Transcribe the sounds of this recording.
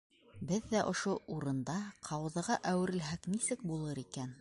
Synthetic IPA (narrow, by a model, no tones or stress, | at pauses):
bɘðːæʔŏʃouɾɤ̆nd̪ɑqʰɑwɤ̆ðɤ̆ʁɑʔæwɘ̆ɾɘ̆lɦæknisɘk̚bulˠɤɾikæn